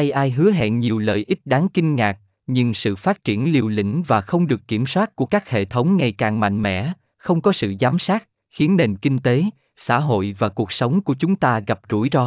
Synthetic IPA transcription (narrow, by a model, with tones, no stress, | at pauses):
ʔa˧jʔaː˧jɦɨ˨˦əɦɛ̰˧˨nɲi˨˩əwlə̰ː˧˨jʔi˦˥t̟̚ɗaː˨˦ŋkï˧ŋ̟ŋaː˨˩k̚ | ɲɨ˧ŋsɨ̰˧˨faː˦˥t̚t͡ɕi˧˩ənli˧əwlḭ̈˧˥ŋ̟vaː˨˩xə˧wŋ͡mɗɨ˨˩əkːi˧˩əmswaː˦˥t̚ku˧˩əkaː˦˥k̚hḛ˧˨t̪ʰə˨˦wŋ͡mŋa˧˩jkaː˨˩ŋma̰˧˨ŋ̟mɛ̰˧˥ | xə˧wŋ͡mkɔ˨˦sɨ̰˧˨zaː˨˦msaː˦˥t̚ | xi˨˦ənːe˧nkï˧ŋ̟t̪e˨˦ | sa̰ː˧˥ɦo̰˧˨jvaː˨˩ku˨˩ək̚sə˨˦wŋ͡mku˧˩ət͡ɕʊ˨˦ŋ͡mt̪aː˧ɣa˨˩p̚zu˧˩jzɔ˧